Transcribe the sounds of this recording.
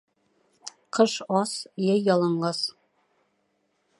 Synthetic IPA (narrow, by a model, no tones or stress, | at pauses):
qʰɤʃɑsjæjːɑlˠɤ̆ɴlɑs